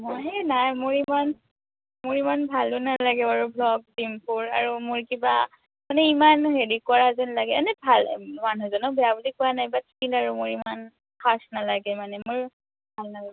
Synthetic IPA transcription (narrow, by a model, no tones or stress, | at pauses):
mɔjɦɛnajmʊɹiman | mʊɹimanbʱalʊnalaɡɛaɹublɔɡ̚dimpʰuɹa̰ɹumʊɹkiba | manɛimanɦeɹikʊaɹazɛnlaɡɛanɛbʱalmanuzɔnɔbɛjabulikʊanajbatʰi̥kilaɹumʊɹiman | kʰasnalaɡɛmanɛmʊɹ | bʱalnaa